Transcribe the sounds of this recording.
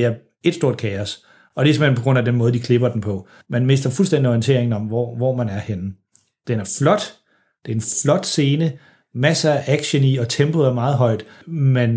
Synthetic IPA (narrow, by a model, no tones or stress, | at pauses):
eæɐ | e̝d̥sd̥o̝ɐ̰d̥kʰɛɒs | ɒ̽d̥e̝semhenpɒɡ̥ʁɔ̽n̰æd̥enmɔ̽ð̞ˠd̥ikʰle̝b̥ɐd̥em̩pʰɒ̽ | mænme̝sd̥ɐfulsd̥en̰d̥iɒient͡sʰe̝̰ɐ̰e̝ŋn̩ɒ̽mʋɒʋɒmænæɐhen̩ | d̥enæɐflɒ̽d̥ | d̥eɐenflɒ̽d̥se̝ːnə | mæsəæʔæɡ̥ɕəniɒ̽t͡sʰemb̥oð̩ˠæɐmɑ̈ːð̩ˠɦɒ̽ɪ̰d̥mæn